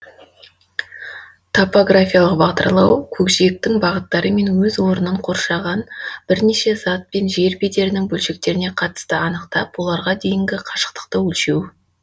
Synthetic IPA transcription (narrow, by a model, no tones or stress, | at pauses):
t̪ʰopoɡrafʲijalˠəq̚bɑʁd̪ə̰ɾlˠɑwkʲʰɵkʃek̚t̪ɪŋbɑʁət̪ːɑɾəme̞nwɵzwo̞ɾənəɴqʰo̞ɾʃɑʁɑnb̥ɪɾne̞ʃe̞zɑt̪̚pe̞nʒe̞ɾbe̞d̪e̞ɾɪnɪŋbɵlʃe̞k̚t̪e̞ɾɪne̞qʰɑt̪ə̥st̪əɑnəqt̪ɑpwo̞lˠɑɾʁɑd̪e̞jɪŋɡʲɪqʰɑʃə̥qt̪ə̥qt̪əwɵlʃe̞w